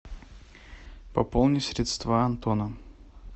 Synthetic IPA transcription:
pɐpolˠnʲɪsʲɾʲɪt̪st̪vaɐnt̪onə

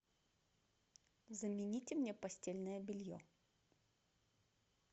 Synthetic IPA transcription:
zəmʲɪnʲitʲɪmnʲepɐsʲtʲelʲnəjəbʲɪlʲjo̰

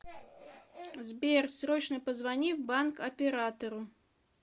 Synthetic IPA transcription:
zbʲɛrsɾɔt͡ɕnəpəzvanʲiwbankɐpʲɛɾat̪ɐɾʊ

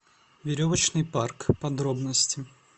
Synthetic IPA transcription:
vʲɪɾʲovət͡ɕnɨjparkpɐd̪ɾo̞bnəsʲtʲɪ

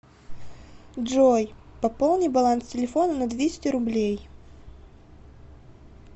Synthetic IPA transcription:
ʐojpɐpolˠnʲɪjbɐlˠanstʲɪlʲɪfonənɐd̪vʲesʲɪ̥tʲɪɾʊblʲej

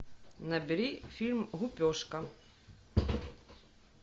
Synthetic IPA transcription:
nɐbʲiɾifʲilʲmɣupʲɔʂkɐ

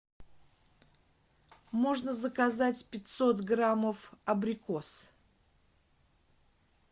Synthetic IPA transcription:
mo̞ʐnəzəkazatʲpʲɪtʲsot̪ɡɾaməfɐbɾʲɪkos

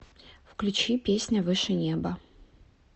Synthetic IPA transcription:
fklʲʉt͡ɕipʲesʲnʲəvɨʂɨnʲebɐ

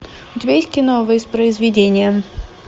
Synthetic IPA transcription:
ʊtʲɪbʲaɪt̪ʲkʲɪnovəɪspɾəɪzvʲɪdʲenʲɪjə

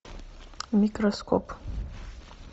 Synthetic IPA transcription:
mikʼroskʰopʰʼ

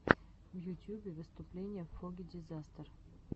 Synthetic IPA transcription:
vjutʲjubʲɪvɨst̪ʊplʲenʲɪjəfːoɡʲɪdʲɪzast̪ər

